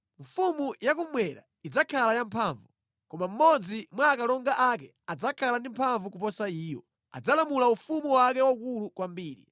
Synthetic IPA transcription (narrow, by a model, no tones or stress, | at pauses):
ɱ̩fumujakumwɛɾa | id͡zakʰalajampʰaːɱvu | kɔmam̩mɔd͡zimwaːkalɔŋɡaʔakɛ | ad͡zakʰalandim̩pʰaɱvuk̬upɔsaiːjɔ̰ | a̰d͡zalamulaufumuwakɛwaukulukwambiːɾḭ